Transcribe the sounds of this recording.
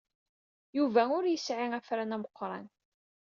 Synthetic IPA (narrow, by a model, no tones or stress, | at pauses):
juvæʊɾjəsʕiæfɾænæməqːɾˤɑ̰n